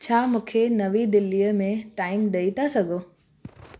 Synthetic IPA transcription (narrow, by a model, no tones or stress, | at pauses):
t͡ɕʰaːmũːkʰenɐʋid̪ɪlːijəmẽʈaːɪmɗɐit̪ʰasɐɡʱoː